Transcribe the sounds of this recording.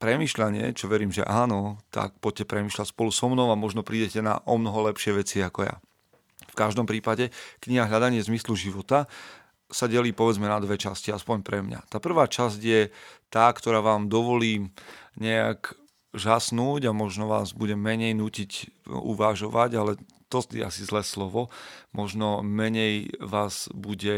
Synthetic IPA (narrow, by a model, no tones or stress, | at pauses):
pɾɛmiːʃʎaɲɪɛ̰t͡ʃɔʋɛɾiːmʒɛ̰ʔaːnɔt̪a̰k̚pɔɟ̚cɛpɾɛmiːʃlacspɔlusɔmnɔʊamɔʒnɔpɾiːɟɛcɛna̰ʔɔmnɔɦɔlɛpʃɪɛʋɛt͡siakɔja̰ | fkaʒd̪ɔmpɾiːpaɟɛkɲiɦaɦʎad̪aɲɪɛzmisluʒiʋɔt̪a | saɟɛliːpɔʋɛd͡zmɛnad̪ʋɛt͡ʃasciaspɔɲpɾɛmɲa̰t̪aːpr̩ʋaːt͡ʃazɟjɛt̪aːkt̪ɔɾaːʋaːmd̪ɔʋɔliːɲɛa̰k | ʒasnuːɟamɔʒnɔʋa̰ːzbuɟɛmɛɲɛjnuːcicṵʋaʒɔʋaɟalɛ | t̪ɔt̪ḭa̰sizlɛːslɔʋɔmɔʒnɔmɛɲɛjʋaːz̥buɟɛ